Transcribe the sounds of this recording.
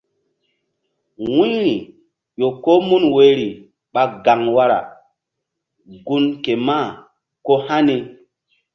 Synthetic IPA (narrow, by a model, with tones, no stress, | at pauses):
wi˦ɾi˨ | jo˨ko˦mu˦nwe˨˦ɾi˨ | ɓa˨ɡa˨ŋwa˦ɾa̰˨ | ɡu˦nke˨ma˦˨ | ko˦ha˦ni˦